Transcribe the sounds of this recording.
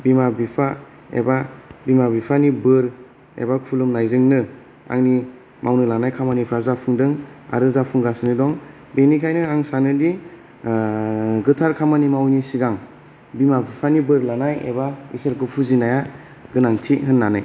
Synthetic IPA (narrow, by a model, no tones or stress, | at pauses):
bimabipʰa | ḛbabimabipʰanibɯɾ | ḛbakʰulumnajzɯŋnɯ | a̰ŋni | mʔawnɯlanajkʰamanipʰɾaɾzapʰɯŋdɯŋa̰ɾɯzapʰuŋɡasɯnidɔŋ | benikʰajnɯaŋsanɯdi | ɡɯtʰaɾkʰamanimawnisiɡaŋ | bimabipʰanibɯɾlanajḛbaḭsɯɾkɯpʰuzinaja | ɡɯnaŋtʰiɦɯnːanaj